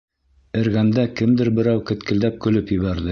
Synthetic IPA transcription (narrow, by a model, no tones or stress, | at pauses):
ɘ̆ɾɣænd̪ækɘ̆md̪ɘɾbɘ̆ɾæwkɘ̆t̪kɘ̆ld̪æp̚kɵ̆lɵpjɘ̆βæɾðɘ